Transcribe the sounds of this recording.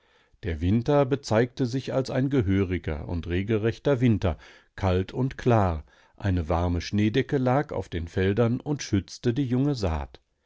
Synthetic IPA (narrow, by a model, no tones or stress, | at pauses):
d̥eːɐvɪntɐbət͡saɪk̚təzɪçalsaɪnɡəɦøːʁɪɡɐ̰ʊ̰ntʁeːɡl̩ʁɛçtɐvɪntɐ | kʰaltʰʊntkʰl̥aːʁ | ʔaɪnəvaɐməʃneːdɛkəlaːka̰ʊfd̥eːnfɛldɐnʊntʃʏt͡stədiːjʊŋəza̰ːt